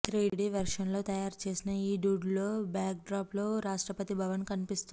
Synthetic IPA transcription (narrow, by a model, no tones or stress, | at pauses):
t̪ɾiːɖiːʋɐɾʂɐnlo̞ːt̪ɐjaːɾt͡ʃe̞ːsinɐiːɖuːɖlo̞ːbjaːk̚ɖɾaːplo̞ːɾaːʂʈɾɐpɐt̪ibʱɐʋɐnkɐnipist̪ui